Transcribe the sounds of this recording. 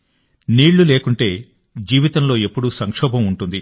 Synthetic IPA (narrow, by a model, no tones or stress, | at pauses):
niːɭːule̞ːkuɳʈe̞ː | d͡ʒiːʋit̪ɐmlo̞ːe̞pːuɽusɐŋkʂɔːbʱɐmuɳʈund̪i